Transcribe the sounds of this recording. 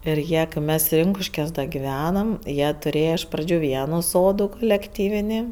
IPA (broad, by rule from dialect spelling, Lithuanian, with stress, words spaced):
ɪr ˈjiɛ kɜ ˈmʲɛs ˈrʲɪŋkʊʃʲkʲuɔs dɐ ɡʲɪˈʋʲæːnɐm ˈjiɛ tʊˈrʲeːjɛ ɪʃ ˈprɑːd͡ʒʲʊ ˈʋʲiɛnuː ˈsoːduː kʊlʲɛkˈtʲiːʋʲɪnʲɪ